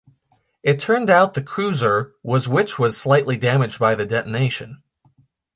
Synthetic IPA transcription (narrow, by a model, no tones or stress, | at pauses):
ɨtʰɜ̃˞ndaʊt̪̚ðɨkʰɹ̥ʉzə˞wʌzwɪt͡ʃwʌz̥slaɪʔˡlidæmɨd͡ʒ̚baɪðɨdɛʔəneɪʃɨ̃n